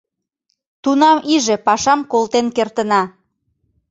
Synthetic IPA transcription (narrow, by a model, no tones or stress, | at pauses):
t̪unɑmiʒepɑʃɑmkolt̪enkert̪ənɑ